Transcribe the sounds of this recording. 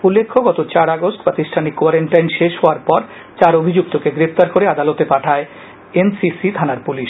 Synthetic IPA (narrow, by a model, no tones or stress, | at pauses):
ulːekʰːoɡɔt̪ot͡ɕaɾaɡosʈpɾat̪isʈʰanikːowaɾeɳʈajnʃeʃɦɔaɾpɔɾ | t͡ɕaɾobʱid͡ʑuk̚t̪okeɡɾept̪aɾkoɾead̪alot̪epaʈʰae | ensisit̪ʰanaɾpuliʃ